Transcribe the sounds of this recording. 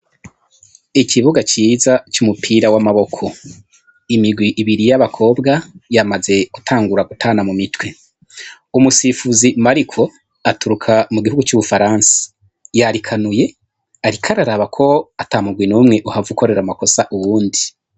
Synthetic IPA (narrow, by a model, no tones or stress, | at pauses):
iciβuɡat͡ʃiːzat͡ʃumupʰiɾawamaβo̞kʰo̞ | imiɡwiʔːβiɾijaβakʰo̞ːbɡajamaze̞ɡ̥utʰaːŋɡuɾaɡutʰaːnamumitwe̞ | umusifuzimaɾikʰo̞ | atuɾukʰamuɡiɦuɡut͡ʃuβufaɾaːnsḁ | jaɾikʰanuje̞ | aɾikʰaɾaɾaβakʰo̞ataːmuɡwinumŋe̞ʔuhavukʰo̞ɾe̞ɾamako̞saʔuβuːndi